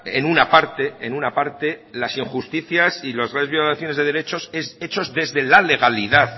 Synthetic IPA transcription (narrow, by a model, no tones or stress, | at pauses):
ḛnunapaɾt̪e̞enunapaɾt̪e̞lasiŋxust̪iθjasilozɣɾanðβjo̞laθjo̞ne̞zðe̞ðe̞ɾe̞t͡ʃo̞sese̞t͡ʃo̞zðe̞zðe̞lale̞ɣ̞aliðað